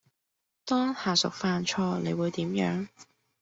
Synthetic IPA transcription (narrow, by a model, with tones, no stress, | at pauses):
t̪ɔː˥ŋhaː˨˩sʊ̰˨k̚faː˧nt͡ʃʰɔː˧ne˨˧jwuː˨˧jt̪iː˨˥mjœ̰ː˨˥ŋ